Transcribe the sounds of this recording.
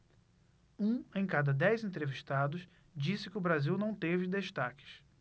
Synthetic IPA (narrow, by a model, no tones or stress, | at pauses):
ũẽj̃kad̪ɐd̪ɛjzẽnt̪ɾeviʃt̪ad̪ʊs | d͡ʒisɪkɪʊbɾaziwnɐ̃w̃t̪evɪd̪eʃt̪akɪ̥ʃ